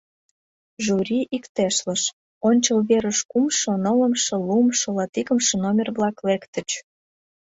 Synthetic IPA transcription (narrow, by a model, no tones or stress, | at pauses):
ʒuɾʲiʔikt̪eʃləʃ | onʲt͡ɕəlβeɾəʃkumʃŏnələmʃə̆lumʃə̆lɑt̪ikəmʃə̆nomʲerβlɑklekt̪ə̆t͡ɕ